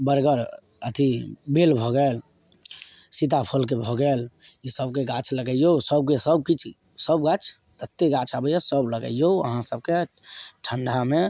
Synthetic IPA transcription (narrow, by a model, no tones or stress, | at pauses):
bəɾɡəɾ | ət̪ʰibelbʱɔɡəl | sit̪apʰəlk̬ebʱɔɡəlisəb̚keɡãt͡ʃʰləɡəijosəb̚kesəb̚kit͡ʃʰ | səbɡãt͡ʃʰ | t̪ət̪ːeɡãt͡ʃʰabəjasəbləɡə̰joə̰ɦãsəb̚ke | ʈʰəɳɖʱame